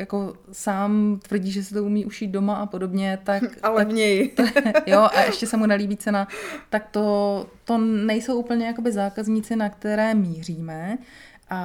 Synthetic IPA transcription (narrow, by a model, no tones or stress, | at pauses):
jako̞saːmt̪vr̩ɟiːʒɛs̬ɛt̪oumiːʔuʃiːt̪̚do̞maʔapo̞do̞bɲɛt̪akalɛvɲɛjt̪ojoʔaʔɛʃcɛsɛmunɛliːbiːt͡sɛnat̪ak̚t̪o̞t̪o̞nɛjsowʔuːpl̩ɲɛjako̞bɪzaːkazɲiːt͡sɪnakt̪ɛɾɛːmiːr̝iːmɛ | ʔa